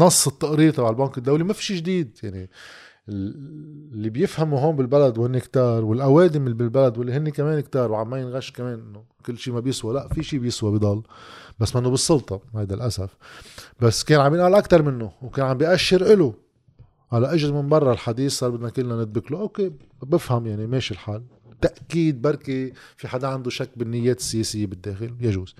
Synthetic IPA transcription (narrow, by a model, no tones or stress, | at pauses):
nɑsˤːɨt̪ːɑʔɾiːɾt̪ɑbʕalbɑːŋkɪd̪ːawlimafi̥ʃiʒd̪iːd̪jaʕni | ɪ | lːibjɪfhamuɦoːmbɪlbalad̪whɪnːikt̪ɑːɾˤwɪlʔaweːd̪ɪmbɪlbalad̪wɪlːiɦɪnːikameːnkt̪ɑːɾˤwʕammajɪnɣaʃkameːnʔɪnːʊ | kɪlːʃiːmabjɪswalaʔfiʃiːbjɪswabid̪ˤɑlːbasːmɪnːobɨsˤːʊlt̪ˤɑhajd̪alʔasafbasːkeːnʕambjɪnʔaːlʔakt̪ɑɾˤmɪnːʊwkeːnʕambjɪʔaʃːɪɾʔɪlu | ʕalaʔaʒɾmɪnbɑrˤːɑlħad̪iːsːɑːɾˤbɪd̪nakʊlːnanɪt̪̚bɪkluʔokeː | bɪfhamjaʕnimeːʃilħaːl | t̪aʔkiːd̪̚bɑɾˤkifiħad̪aʕand̪uʃakːbɪnːɪjːeːt̪ɪ̥sːɪjeːsɪjːebɪd̪ːeːxɪljaʒuːz̥